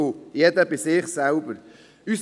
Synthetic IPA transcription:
ojɛdəbɪsɪχsɛlbəɾ | ys

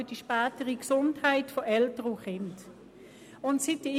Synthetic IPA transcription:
əd̥iʃpæːtəʁiksʊnthaɪtfɔʔɛltəʁuχɪnt | ʊntsit̚d̥i

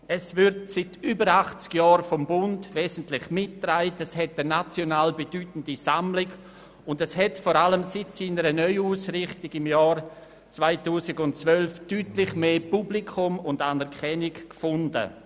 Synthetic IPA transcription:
ɛsvʏɾtsɪtʰyːbəɾaχt͡skjaːɾfɔmbʊndveːzn̩tlɪχmɪtːraɪtɛshɛtənat͡sjonaːlbedyːtən̩disamlɪɡ | ʊndɛshɛtfɔːɾaləmsɪtsiːnəɾənœʏuːsɾɪχtɪɡɪmjaːɾ | t͡svaɪtuːsɪɡʊntt͡svœlftyːtlɪχmeːpublikʰʊmʊndanɛɾkʰɛnɪkːfʊndə̰

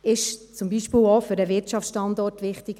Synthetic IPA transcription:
ɪʃt͡sʊmbiːʃpiːlofʏɾəʋɪɾtt͡ʃɑft͡ssʃtɑndɔrtʋɪχtɪk

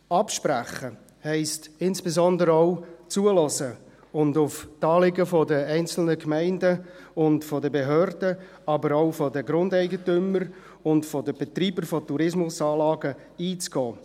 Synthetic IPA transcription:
ɑpʃpræχə | hɛɪstɪnsb̥ezɔndəɾəɔʊt͡suəlɔsə | ʊndʊftɑːlɪɡəfɔdəɛɪnt͡sl̩nəkmɛɪndəʊntfɔdəbeɦøːrd̥ə | ɑbəɾɔʊfɔdəɡɾʊndɛɪɡətʏməɾ | ʊntfɔdəb̥ɛt̪ɾiːbəɾfɔtuɾɪsmʊsɑːlɑːɡə | iːt͡sɡ̥ɔː

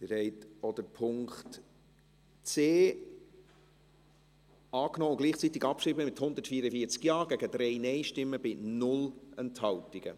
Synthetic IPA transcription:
dɪɾɛɪtɔd̥̪əɾpʰʊŋkt | t͡seː | ɑːknɔːʊɡliːχt͡sit̪ɪɡɑp̚kʃriːbəmɪthʊnd̪ətfiːɾəfiːət͡skjɑːɡæɡəd̥ɾɛɪnɛɪʃtɪmːəbɪnʊlɛnthɑltiɡ̥ə̰

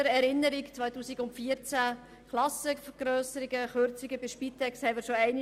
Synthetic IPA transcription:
əɾɛɾɪnːəɾikt͡sʋœjtuːsiɡʊntfiəɾt͡sæ | klɑsəfəɡ̥ɾøːsəɾiɡəχøɾt͡siɡəbɪʃpit̪ʰɛkshɛɪmɪɾʃoɛɪn

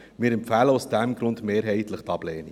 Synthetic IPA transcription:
mɪːɾɛmpfæːləʊsd̥ɛmɡɾʊndmeːɾɦɛɪtləχtɑb̥lɛːni

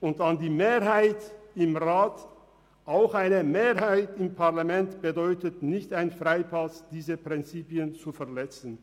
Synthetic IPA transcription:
ʊntandiːmeːʁɦaɪtɪmʁaːt | ʔaʊxʔaɪnəmeːɐhaɪtɪmpʰaɐlamɛntb̥ədɔʏtətnɪçtaɪnfʁ̥aɪpʰasd̥iːzəpʁ̥ɪnt͡siːpjənt͡sufɛɐlɛt͡sn̩

